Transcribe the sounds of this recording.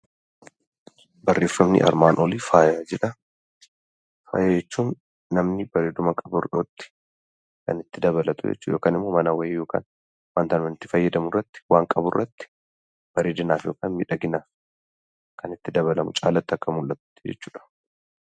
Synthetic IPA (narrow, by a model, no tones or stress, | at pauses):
bɐrːeːfːɐmnɪ̰ʔɐ̰ɾmaːnʔoliːfaːjaːd͡ʒɛᶑɐ | fɐ̰ːjd͡ʒɛt͡ʃːuːnː | ɐmnɪbɐɾeːd̪ʊmɐkʼɐbʊɾᶑot̪ːɪ̥ | kɐ̰nɪt̪ːɪd̪ɐβɐlɐt̪ʊ̰d͡ʒɛ̰t͡ʃːuːᶑoːkaːnɪmːoːmɐnɐwɐejo̞ːka̰ːn | waːnt̪aːnmɐnɪt̪ːɪ̥fɐjːɐd̪ɐmʊrːɐt̪ːɪ̥waːŋkʼɐbʊrːɐt̪ːɪ̥ | b̥ɐɾeːd̪ɪnaːfjo̞ːkaːnmɪᶑɐɡɪnaːf | kʰɐnɪt̪ːɪd̪ɐβɐlɐmʊt͡ʃʼaːlɐt̪ːɪɐkːɐmʊlʔːɐt̪ʊ̥t̪ːɪd͡ʒɛ̰t͡ʃːuːᶑɐ̥